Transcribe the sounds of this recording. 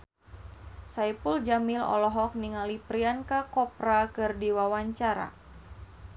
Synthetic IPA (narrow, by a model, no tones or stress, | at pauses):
saipuld͡ʒamilɔ̰lɔɦɔk̚niŋalipɾiankakɔpɾakɨrdiwawaɲt͡ʃaɾa̰